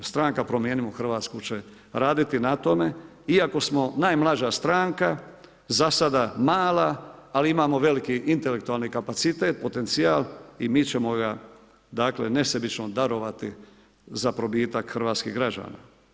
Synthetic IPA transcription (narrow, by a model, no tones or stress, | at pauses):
st̪ɾaːŋkapɾo̞mjeːnimoxr̩ʋaːt̪skut͡ʃe | ɾaːd̪it̪inat̪o̞me | iako̞smo̞najmlˠad͡ʒast̪ɾaːŋka | zasad̪amaːlaːliimaːmo̞ʋe̞likiʔint̪e̞le̞k̚t̪uaːlnikapat̪sit̪e̞ːt̪̚po̞t̪e̞nt̪siaːlimiːt͡ʃe̞mo̞ɡa | d̪aːkle̞ne̞sebit͡ʃno̞d̪aɾo̞ʋat̪i | zapɾo̞biːt̪akxr̩ʋaːt̪skḭɣɡɾad͡ʒa̰ːna̰